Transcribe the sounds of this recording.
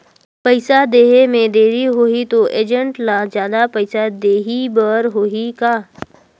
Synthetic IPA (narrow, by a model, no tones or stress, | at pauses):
pəɪsad̪eːɦemẽd̪eːɾiɦoːɦit̪oʔeːd͡ʒə̃ɳʈlazjaːd̪apɐɪsad̪eːɦibəɾɦoːɦikaː